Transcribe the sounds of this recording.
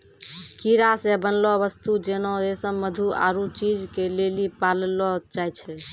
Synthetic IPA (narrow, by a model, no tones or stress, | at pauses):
kiɾasebənlɔβəst̪ud͡ʒenɔesəmmːəd̪ʱua̰ɾut͡ʃid͡ʒkelelipallɔt͡ʃajt͡ʃʰɛ